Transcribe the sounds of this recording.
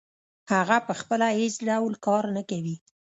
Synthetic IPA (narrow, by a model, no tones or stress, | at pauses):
haɣapəxpəlaezɖawlkɑɾnakawi